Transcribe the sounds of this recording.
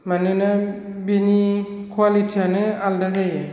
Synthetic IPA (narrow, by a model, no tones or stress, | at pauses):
manɯna | bini | kʰwalitʰianɯaldazaje